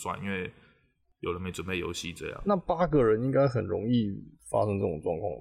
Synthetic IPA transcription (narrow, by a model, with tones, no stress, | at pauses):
swa̰˥˩ni˥nwe˥˩ɪ | jo˨˩ʊlə˦me˧˥ɪʈ͡ʂwə˨˩pe˥˩ɪjo̰˧˥ʊɕi˥ʈ͡ʂɤ˥˧jɑ̰˨ŋna˥˩pa˥ɡə˨ɻə˧˦˥ni˥ŋka˥ɪxə˨˩nɻʊ̰˧˥ŋi˥˩fa̰˥ʂɤ˥ŋʈ͡ʂɤ˥˩ʈ͡ʂʊ˨˩ŋʈ͡ʂwɑ˥˧ŋkʰwɑ̰˥˩ŋ